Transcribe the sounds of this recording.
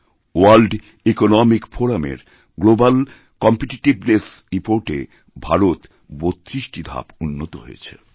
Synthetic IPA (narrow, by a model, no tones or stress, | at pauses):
walɖ | ekonɔmikfoɾamḛɾ | ɡlobal | kɔmpeʈiʈibnesɾipoɾʈḛ | bʱaɾot̪ | bot̪ːɾisʈid̪ʱa̰punːot̪oɦo̰jet͡ɕʰḛ